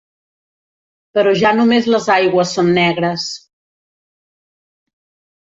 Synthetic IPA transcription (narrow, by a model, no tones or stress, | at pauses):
pəɾɔʒanumezləzajɣwəsːonːɛɣɾəs